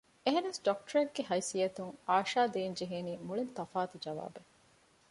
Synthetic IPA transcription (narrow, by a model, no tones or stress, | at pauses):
eɦɐnɐsɖɔk̚ʈɐɾɐɡɡeɦɐjsijɐt̪uŋaːʃaːd̪eːnd͡ʒeɦeːniːmuɭent̪ɐfaːt̪ud͡ʒɐʋa̰ːbe